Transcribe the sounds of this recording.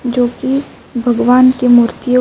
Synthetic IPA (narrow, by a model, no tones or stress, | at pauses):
d͡ʒoːki | bʱɐɡʋaːnkemuːɾt̪ijo